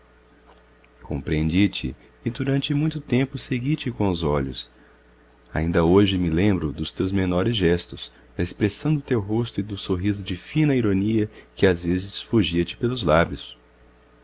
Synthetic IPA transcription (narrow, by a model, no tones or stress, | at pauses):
kʰõ̰mpɾiẽnd͡ʒit͡ʃɪ̰ː | d̪uɾɐ̃nt͡ʃɪmũj̃t̪ʊt̪ẽmpʊseɡit͡ʃɪkõʊzɔʎʊ̰s | a̰ĩnd̪ɐoʒɪmɪlẽmbɾʊd̪ʊst̪ewzmenɔɾɪzʒɛst̪ʊs | d̪ɐɪspɾesɐ̃w̃d̪ʊt̪ewɦost̪ʊɪd̪ʊsoɦizʊd͡ʒɪfĩnɐiɾoniɐkɪazvezɪsfoʒiɐt͡ʃɪ̥pelʊzlabjʊs